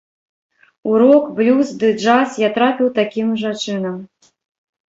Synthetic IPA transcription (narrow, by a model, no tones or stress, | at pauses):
uɾɔkblʲuzd̪ɨd͡ʐasjat̪ɾapʲiwt̪akʲimʐat͡ʂɨnɐm